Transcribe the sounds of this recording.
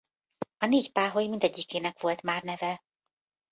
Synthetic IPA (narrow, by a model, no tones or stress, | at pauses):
ɒneːcpaːɦojimind̪ɛɟːikeːnɛkʋo̞lt̪maːrnɛvɛ